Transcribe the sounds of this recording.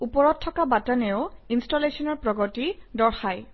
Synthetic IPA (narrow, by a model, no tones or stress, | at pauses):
upɔɹɔt̚tʰːɔkabataneʊinstɔlesɔnɔɹpɹɔɡɔtidɔɹxaj